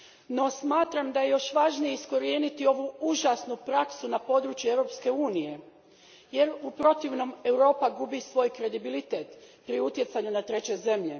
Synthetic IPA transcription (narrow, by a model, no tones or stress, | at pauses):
no̞smaːt̪ɾamd̪aje̞jo̞ʃʋaʒnije̞isko̞ɾie̞ːnit̪io̞ʋuuʒasnupɾaksunapo̞ːd̪ɾut͡ɕjue̞wɾo̞ːpske̞uːnije | je̞ɾupɾo̞t̪iʋno̞me̞wɾo̞ːpaɡubisʋo̞ːjkɾe̞d̪ibilit̪e̞ːt̪pɾiut̪je̞t̪saɲunat̪ɾe̞t͡ɕe̞ze̞mʎe̞